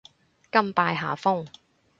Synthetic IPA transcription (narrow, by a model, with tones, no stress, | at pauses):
kɐ˥mpaː˧jɦaː˨˩fʊ˥ŋ